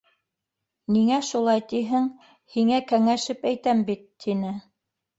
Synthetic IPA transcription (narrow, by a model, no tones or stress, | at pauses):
niŋæʃulˠɑjt̪iɦɘŋ | hiŋækæŋæʃɘpæjt̪æmbit̪ːinɘ